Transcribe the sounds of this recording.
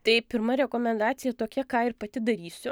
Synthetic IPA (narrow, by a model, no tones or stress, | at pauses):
t̪ɐɪpʲɪɾmɐɾʲɛkoːmʲɛnd̪ɑːt̪sʲɪjɛt̪oːkʲɛkɑːɪɾpɐt̪ʲɪd̪ɐɾʲiːsʲʊ